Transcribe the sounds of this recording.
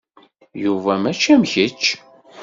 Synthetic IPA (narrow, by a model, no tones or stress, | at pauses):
juvæmæt͡ʃːæmçət͡ʃː